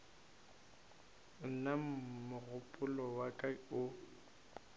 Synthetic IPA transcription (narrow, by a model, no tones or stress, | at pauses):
nam̩mʊɣʊpʼʊlɔwakʼaʊ